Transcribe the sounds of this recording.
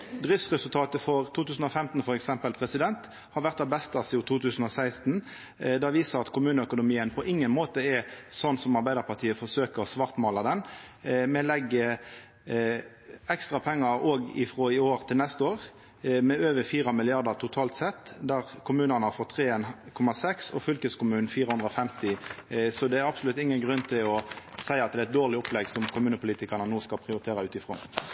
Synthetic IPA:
d̪ɾɪft̪sʁɛsʉlt̪ʰɑːt̪əfɔʁt̪ʰuːt̪ʉːsn̩ɔfɛmt̪n̩fɔɾɛksɛmpəlpʰʁɛsɪd̪ɛnt̪ | hɑɾʋæʁt̪ɑbɛst̪ɑsɪʊt̪ʰuːt̪ʰʉːsən̩ɔsæɪst̪n̩ | d̪ɑʋiːsəɾɑt̪kʰʊmʉːnəœkʊnʊmiːənpʰɔʔɪŋːənmoːt̪əɛsɔnsɔmɑɾbæɪd̪əʁpʰɑt̪ʰiːəfɔʂøːkəʁɔsʋɑʁt̪mɑːlɑd̪ɛn | mɛlɛɡːə | ɛkst̪ʁɑpʰɛŋːəɾoːɡɪ̰fʁoːɪoːʁt̪ʰɪlnɛst̪əoːʁ | mɛøːʋəfiːɾɑmɪlɪɑʁd̪əʁt̪ʰʊt̪ʰɑːlt̪sɛt̪ːd̪æʁkʰʊmʉːnənəhɑɾfɔt̪ʰːʁeːɛnkʰɔmɑsɛksɔ̰fʏlkəskʊmʉːnn̩fiːɾəhʉnd̪ɾɔfɛmt̪ɪsɔd̪ɛæɾɑpsʊlʉt̪ːɪŋːənɡʁʉnːt̪ʰɪlɔsæɪɑt̪̚d̪ɛæɛt̪̚d̪oːʁlɪɔplɛɡsɔmkʰʊmʉːnəpʰʊliːt̪ɪkɑʁɳənuːskɑlpʰʁɪʊɾɪt̪ʰeːɾɑʉːt̪ɪfɾo̰ː

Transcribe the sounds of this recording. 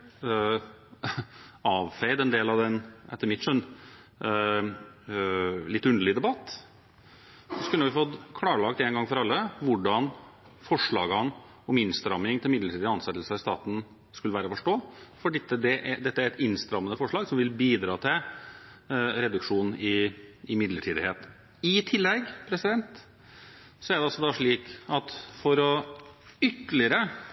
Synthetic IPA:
ɑːʋfɛɪd̪ɛnd̪eːlɑʋɛnʔɛt̪ːəɾmɪt̪ʂɔn | lɪt̪ːʉnd̪əl̩ɪd̪ɛbɑt̪ː | ɔkʉlːəʋɪfɔt̪kʰlɑːɾəɭɑkt̪ɛːnɡɑŋːfɔɾɑlːəʋʊɖɑn | fɔʂɭɑːɡɑn | ɔmɪnst̪ɾɑmːɪŋt̪ʰɪlmɪd̪ləʈʰiːd̪əɑnsɛt̪l̩səɪɾst̪ɑːt̪n̩ | skʉləʋæːɾəfɔʂʈoːfɔɖɛt̪ːəd̪ɛʔæd̪ɛt̪ːəæɾɛt̪ɪnst̪ɾɑmːənəfɔʂɭɑːɡsɔmʋɪlbiːd̪ɾɑːt̪ʰɪl | ɾɛd̪ʉkʂuːnɪɪmɪd̪ləʈʰiːd̪ɪheːt̪ | ɪt̪ʰɪlːɛɡpʰɾɛsɪd̪ɛnt̪ | sɔæɖ̪ɛɑlsɔd̪ɑʂɭiːkɑt̪fɔɾɔ | ʏt̪ːəlɪəɾə

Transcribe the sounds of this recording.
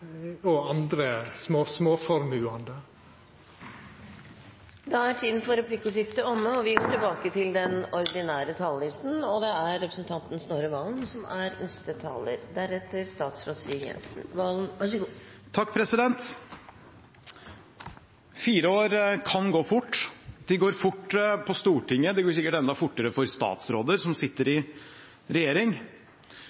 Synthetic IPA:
ɔɑnd̪ɾəsmoːsmoːfɔɾmʉːɑnd̪ə | d̪ɑæʈʰiːd̪ənfɔɾɛpʰlɪkəsɪft̪əɔmːəɔʋɪɡoːʈɪlbɑːkət̪ʰɪld̪ɛnɔɾd̪ɪnæːɾət̪ʰɑːllɪst̪n̩ɔd̪ɛæɾːɛpɾəsn̩t̪ʰɑnt̪n̩snoːɾəʋɑːlnsɔmæɾnɛst̪ət̪ʰɑ̰ːlə̰ɾd̪æɾɛt̪ːəɾst̪ɑːt̪sɾoːd̪siːəɡjɛ̰nsn̩ʋɑːln̩ɑʂɡ | t̪ʰːɑkːpʰɾɛsɪd̪ɛnt̪ | fiːɾəoːɾkʰɑnɡoːfʊʈːd̪̥ɪɡoːɾfʊʈːpʰɔst̪uːʈɪŋːəd̪ɛɡoːɾsɪkːəʈɛnd̪ɑfʊʈːəɾəfɔɾst̪ɑ̰ːt̪sɾoːd̪əɾsɔmsɪt̪ːəɾɪ | ɾɛjeːɾɪŋ

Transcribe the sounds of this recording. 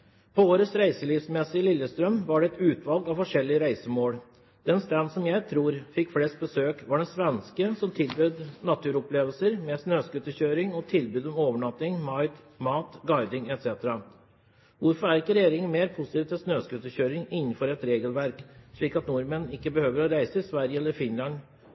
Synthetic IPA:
pʰɔoːɾəsɾæɪsəliːʋsmɛsːɪəlɪlːəst̪ɾœmʋɑɖɛɛt̪ʉːt̪ʰʋɑlɡɑʋfɔʂɛlːɪəɾæɪsəmoːɽ | d̪̥ɛnst̪ænsɔmjæɪt̪ʰɾuːɾfɪkːflɛst̪̚bəsøːkʋɑɖɛsʋɛnskəsɔmt̪ʰɪlbʉːd̪nɑt̪ʰʉːɾɔpleːʋəlsəɾmɛsnøːskʉt̪ːəçøːɾɪŋɔt̪ʰɪlbʉːd̪ɔmoːʋəɳɑt̪ːɪŋmɑɪt̪ | mɑːt̪ɡɑɪd̪ɪŋɛt̪sɛt̪əɾɑ | ʋʊɾfɔɾæɾɪkːəɾɛjeːɾɪŋənmeːɾpʰʊsɪt̪iːʋt̪ʰɪlsnøːskʉt̪ːəçøːɾɪŋɪnːən̩fɔɾɛt̪ɾeːɡəlʋæɾkʂɭiːkɑt̪nʊɾmənɪkːəbəhøːʋəɾɔɾæɪsəɪsʋæɾjəɛlːəɾfɪnlɑn

